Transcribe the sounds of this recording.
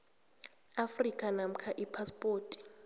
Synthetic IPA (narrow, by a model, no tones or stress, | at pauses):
afrikʼanam̩kʰaʔipʰaspʼoːtʼi̥